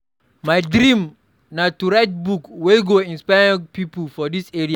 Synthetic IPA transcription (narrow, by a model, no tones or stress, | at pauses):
majdɾĩm | natuɹajt̚bukwelɡoĩnspajɹĩŋpipəlfɔdisɛɹia